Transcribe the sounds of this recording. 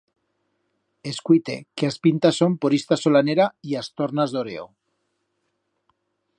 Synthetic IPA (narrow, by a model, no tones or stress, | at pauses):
eskwit̪e̞̰keaspint̪aso̞mpoɾist̪aso̞laneɾaiast̪o̞ɾnazðo̞ɾe̞̰o̰